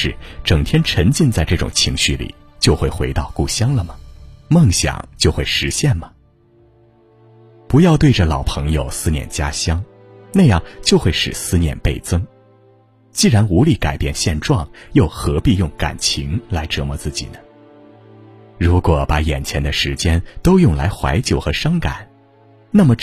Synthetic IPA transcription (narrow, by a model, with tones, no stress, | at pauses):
ɻ̩˥˩ʈ͡ʂɤ˨˩ŋt̪ʰjɛ˥nʈ͡ʂʰə˧˥ŋt͡ɕi˥˧nt͡sa˥˧ɪʈ͡ʂɤ˥˩ʈ͡ʂʊ̰˨˩ŋt͡ɕʰi˧˥ŋɕy˥˩lḭ˨˩˦ | t͡ɕjo˥˧ʊxwe˥˩ɪxwe˧˥ɪt̪ɑ˥˧ʊku˥˩ɕjɑ˥ŋlə˨mɐ˩mɤ˥˩ŋɕjɑ̰˨˩˦ŋt͡ɕjo˥˧ʊxwe˥˩ɪʂɻ̩˧˥ɕjɛ˥˩nmə˩ | pu˧˥jɑ˥˧ʊt̪we˥˩ɪʈ͡ʂə˩lɑ˨˩ʊpʰɤ˧˥ŋjo˨˧ʊsɹ̩˥njɛ̰˥˩nt͡ɕja˥ɕjɑ˥ŋ | na˥˧ɪjɑ˥˩ŋt͡ɕjo˥˧ʊxwe˥˩ɪʂɻ̩˨˩sɹ̩˥njɛ̰˥˧npe˥˩ɪt͡sɤ˥ŋ | t͡ɕi˥˩ɻa˧˥nu˧˥li˥˩ka˨˩ɪpjɛ˥˧nɕjɛ˥˧nʈ͡ʂwɑ˥˩ŋjo˥˩ʊxɤ˧˥pi˥˧jʊ˥˩ŋka̰˨˩nt͡ɕʰi˧˥ŋla˧˥ɪʈ͡ʂɤ˧˥mɔ˥˧t͡sɹ̩˥˩t͡ɕḭ˨˩nə˦ | ɻu˧˥kwɔ˨˩˦pa˧˥jɛ˨˩nt͡ɕʰjɛ˧˥nd̪ə˧ʂɻ̩˧˥t͡ɕjɛ˥nt̪o˥ʊjʊ˥˩ŋla˧˥ɪxwa̰˧˥ɪt͡ɕjo˨˩ʊxɤ˧˥ʂɑ˥ŋka̰˨˩˦n | na˥˩mə˩